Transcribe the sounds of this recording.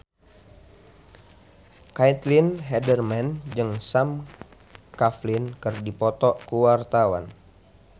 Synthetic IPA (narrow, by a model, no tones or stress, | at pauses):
kajt̪linɦɛdərmand͡ʒɨŋsam | kaflinkɨrdipɔt̪ɔkuwart̪awa̰n